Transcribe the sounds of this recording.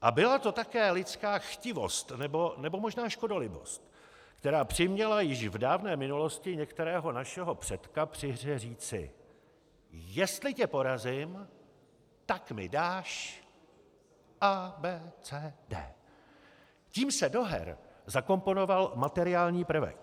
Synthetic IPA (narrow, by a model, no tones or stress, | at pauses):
ʔabɪlat̪o̞t̪akɛːlɪt͡skaːxcɪvo̞̰st̪nɛbo̞nɛbo̞mo̞ʒnaːʃko̞do̞lɪbo̞̰st̪̚ | kt̪ɛɾaːpr̝̥ɪmɲɛlajɪʃvdaːvnɛːmɪnulo̞scɪɲɛkt̪ɛɾɛːɦo̞naʃɛɦo̞pr̥ɛt̪kapr̝̥ɪɦrɛriːt͡sɪ̰ | jɛst̪lɪcɛpo̞ɾazɪm | t̪akmɪ̰daːʃ | ʔaːbɛːt͡sɛːdɛ̰ː | ciːmsɛdo̞ɦɛ̰ɾzako̞mpo̞no̞valmat̪ɛɾɪaːlɲiːpr̩vɛ̰k